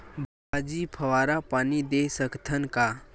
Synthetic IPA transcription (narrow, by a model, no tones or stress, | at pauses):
bʱad͡ʒipʰɐwaːɾapaːnid̪esəkt̪ʰənka